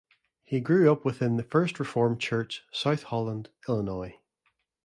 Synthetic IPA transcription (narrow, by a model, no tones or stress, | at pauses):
hiɡɹʉːʌpwɪθɪ̃nðəfɜ˞stɹɪfɔɹmt͡ʃʰɜ˞t͡ʃsaʊθhɔlˠə̃ndɪlˠənɔɪ